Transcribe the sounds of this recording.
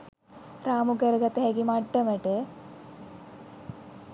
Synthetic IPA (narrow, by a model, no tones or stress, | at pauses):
ɾaːmuɡəɾəɡat̪əɦɛɡimaʈːəməʈə